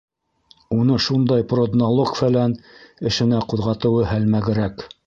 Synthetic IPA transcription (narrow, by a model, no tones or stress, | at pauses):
unɤʃund̪ɑjprod̪nolˠokfælænɘ̆ʃɘ̆næquðʁɑt̪ɤ̆wɤhælmæɡɘ̆ɾæk